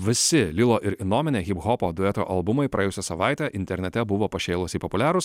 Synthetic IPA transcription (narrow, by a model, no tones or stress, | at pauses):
ʋʲɪsʲɪlʲɪlˠoːʔɪɾɪnoːmʲɪnʲeːɣʲɪpɣɔpoːd̪ʊjɛt̪o̰ːʔɐlˠbʊmɐɪpɾɐjɛːjʊsʲɛsɐʋɑɪt̪ʲɛʔɪnʲt̪ʲɛɾʲnʲɛt̪ʲɛbʊʋoːpɐʃʲɛːlˠosiːpopʊlʲæːɾʊs